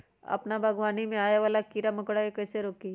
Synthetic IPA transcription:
ɐ̰pnabʱɐɡʋaːnimẽaːjaʋaːlakiːɾamɐkɽaikɐːseɾoːki

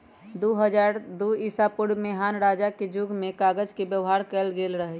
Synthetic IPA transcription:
d̪uɦəd͡ʒaɾd̪uisapʊɽmeɦaːnɾaːd͡ʒaked͡ʒuɡʱmekaɡəd͡ʒkebjəʋɦaɾkɛlɡelɾəɦɛ

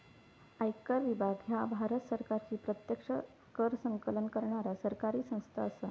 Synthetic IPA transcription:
ajkəɾʋibʱaɡɦjabʱaɾət̪səɾkaɾt͡ɕiːpɾət̪jəkʂə | kəɾsəŋkələnkəɾɳaɾasəɾkaɾiːsə̃w̃st̪ʰa̰əsə

